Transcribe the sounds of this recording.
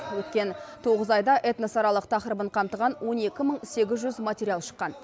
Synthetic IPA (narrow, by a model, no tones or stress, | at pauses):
wɵt̪̚kʲe̞nt̪ʰo̞ʁəzɑjd̪ɑʔet̪nɑsɑɾɑlˠəqt̪ʰɑqɾəbəɴqʰɑmt̪əʁɑnwo̞ne̞kʲɪməɴse̞ɡʲɪzʒʏzmat̪ʲeɾʲijalˠʃə̥qːɑn